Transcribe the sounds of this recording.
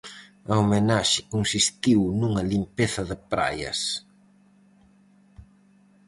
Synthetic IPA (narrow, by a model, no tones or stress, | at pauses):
ɐomenaʃɪkonsist̪iwnuŋɐlimpeθɐðɪpɾa̰jɐ̰s